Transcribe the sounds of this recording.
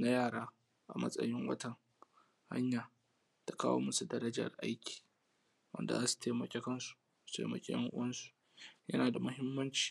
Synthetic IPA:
na˦jaː˦˨ɾaː˦ | ʔa̰˨mɐ̰˦sʼɐ̰˦jɪ˦ŋwɐ̰˦tɐ˨ŋ | ha̰˦ɲjaː˨ | ta˨kaː˦wo̰ː˦mɐ˦su˨dɐ˦ɾɐ˦d͡ʒɐ̰˨rʔa̰˦jkʲi̥ː˨ | wɐ̰˦nda̰˨zaː˦su̥˨tʰeː˨mɐ˨kʲe˦kɐ˦nsu̥˨ | u̥˦tʰḛː˨mɐ̰˨kʲʼḛ˦jɐ̰˦ŋʔʊ̰˦wɐ˦nsu̥˨ | jɐ̰˦naː˨da˨mʊ˦ɦɪ˦mːɐ˦nt͡ʃi̥ː˨

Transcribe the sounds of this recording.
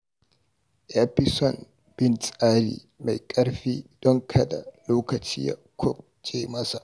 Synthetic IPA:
ʔɛ˦pɪ˦sɔ˨n | bɪ˦nsʼaː˦ɽḭː˨ | ma˨jkʼɐ˦ɽɸiː˦d̥ɔ˦ŋkʰɐ˨da̰˨loː˦kɐ˨t͡ʃiː˦ja̰˨kʷʰʊ˦k | t͡ʃʼeː˦mɐ˦sa˨ʔ

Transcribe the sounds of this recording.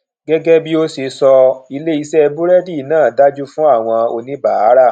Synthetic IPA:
ɡɛ˦ɡɛ˦bi˦o˦se˧sɔ˧i˧le˦i˧sɛ˦˧bu˦ɾɛ˦di˦˨˦nãː˦˨da˦d͡ʒu˦fũ˦a˦˨w̃ɔ̃˧o˧nĩ˦ba˨a˨˦ɾa˦˨

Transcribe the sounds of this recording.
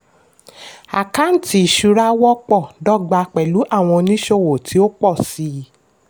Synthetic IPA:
a̰˨ka˨˦n̩˦ti˧˨ʃu˨˧ɾa˦wɔ˦k͡pɔ˦˨dɔ˦ɡ͡ba˨˧k͡pɛ˨lu˨˦ʔa˦˨w̃ɔ̃˧nĩ˦ʃo˦wo˨tʰi˨˦o˦k͡pɔ˦˨si˨˧˦

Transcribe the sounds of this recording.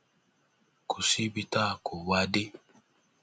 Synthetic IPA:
ku˨si˦bi˨ta˦˨ku˨wa˦de˦

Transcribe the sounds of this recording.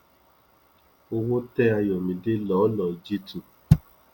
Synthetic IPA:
o˧wo˦tɛ˦a˧jɔ˨mĩ˧de˦lɔ˨˦lɔ˨d͡ʒi˦tu˧˨

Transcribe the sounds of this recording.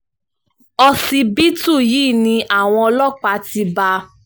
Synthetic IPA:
ɔ˧si˧bi˦tu˦˨jiː˦˨nĩ˧ʔa˦˨w̃ɔ̃˧ɔ˧lɔ˦˨k͡pa˧˦ti˧ba˧

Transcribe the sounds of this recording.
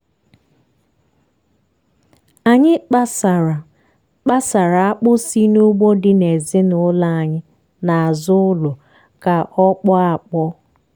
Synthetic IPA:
a˨ɲɪ˦k͡pa˦sa˨a˨ | k͡pa˦sa˨ɾa˨a˦k͡pʊ˦si˦nu˦ɡ͡bo˦dɪ˦ne˨zɪ˦nʊ˨la˦a˨ɲɪ˦ | na˨a˨zʊ˦ʊ˦lʊ˨ | ka˨ʔɔ˦k͡pɔ˦a˨k͡pɔ˦

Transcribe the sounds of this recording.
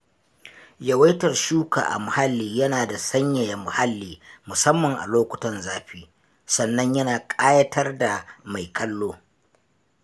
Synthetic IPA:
jɐ˨wa˦jtɐ˨rʃuː˦ka̰ː˨ʔa̰˨mʊ˨ha˦lːiː˨jɐ˦naː˨da˨sɐ˦ɲjɐ˨ja˨mʊ˨ha˦lːiː˨mʊ˨sɐ˦mːɐ˨ŋʔa̰˨loː˦kʷʊ˨tɐ˨nzaː˦ɸiː˦ | sɐ˨nːɐ˦ɲjɐ˦naː˨kʼaː˦jɐ˦tʰɐ˦rda˨ma˨jkʰɐ˦lːoː˦

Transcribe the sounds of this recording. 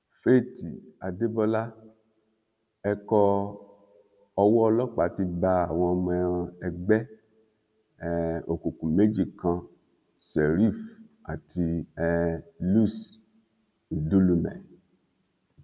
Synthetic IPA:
fe˦˨ti˨a˨de˦bɔ˦la˦ | ɛ˧kɔ˧ | ɔ˧wɔ˦ɔ˧lɔ˦k͡pa˨˦ti˧ba˧a˨w̃ɔ̃˧ɔ˧mɛ̃˧˦ɔ̃˧ɛ˧ɡ͡bɛ˦ | ɛ˨o˨ku˨kũ˨me˨˦d͡ʒi˦˨kã˧ | sɛ˨ɾi˦˨fa̰˨tʰi˧ɛ˧lu˦˨s | u˨du˦lu˧mɛ̰̃˨

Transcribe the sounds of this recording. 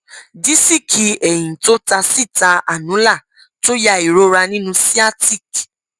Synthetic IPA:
di˨˦si˦˨kʰi˧ɛ˨j̃ĩ˨to˦ta˧si˦˨ta˧a˨nũ˨˦la˦˨ | to˦ja˧i˨ɾo˦ɾa˧nĩ˦nũ˧si˦a˦ti˦˨k

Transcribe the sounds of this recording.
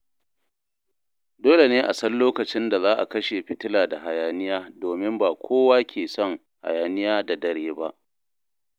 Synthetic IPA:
doː˦le˨neː˦ʔa˨sɐ˦nloː˦kɐ˨t͡ʃɪ˦nda˨zaː˦ʔa̰˨kɐ˦ʃe˨ɸɪ˨tɪ˦laː˨da˨ɦa˨jaː˨nɪ˦jaː˦doː˨mɪ˦mbaː˨kʷʰoː˦waː˦kʲʰeː˨sɔ˦ŋ | ha̰˨jaː˨nɪ˦jaː˦da˨dɐ˨ɽeː˦ba˦ʔ

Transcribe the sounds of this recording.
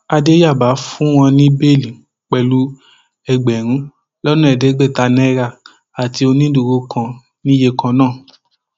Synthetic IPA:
a˧de˦ja˦˨ba˨˦fũ˦w̃ɔ̃˧nĩ˦be˦˨lĩ˨ | k͡pɛ˨lu˨˦ | ɛ˧˨ɡ͡bɛ˨ɾ̃ũ˨˦ | lɔ˦nũ˦ɛ˨de˨˦ɡ͡bɛ˦˨ta˧nɛ̃˦ɾa˧˨ | a˨ti˧o˧nĩ˦du˧˨ɾo˧˦kʰã˧ | nĩ˦je˧kã˧nãː˦˨

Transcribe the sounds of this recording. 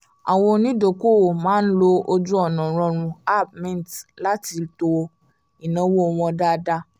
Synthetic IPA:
a̰˨wo˧nĩ˦do˨ko˦˨mãː˨˦n̩˦lo˧o˧d͡ʒu˦ɔ˦˨nɔ̃˨ɾ̃ɔ̃˧ɾ̃ũ˧a˦˨b̚mɛ̃˦n˨tla˦ti˧to˧ | i˨nã˧˦wo˦˧w̃ɔ̃˧da˦˧da˦

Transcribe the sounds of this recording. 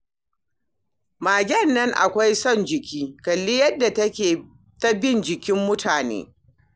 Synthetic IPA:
maː˨ɡʲɐ˦nːɐ˦ŋʔa̰˨kʷa˦jsɔ˦˨nd͡ʒɪ˨kʲʰiː˦kɐ˨lːi˦jɐ˦dːa˨tɐ˦kʲeː˨ | tɐ˦bɪ˦˨nd͡ʒɪ˨kʲɪ˦mːʊ˦tʰaː˨nḛː˦

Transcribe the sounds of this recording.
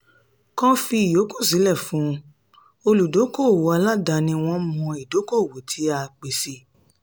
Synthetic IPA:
kɔ̃˦fi˧˦i˨jo˨˦kũ˦˨s̬i˨˦lɛ˦˨fũ˨˦˧ | o˧lu˨do˨˦ko˦˨wo˨˦a˧la˦da˧nĩ˧w̃ɔ̃˧mɔ̃˧i˨do˨˦ko˦˨wo˨tʰi˨˦a˧k͡pe˨si˧

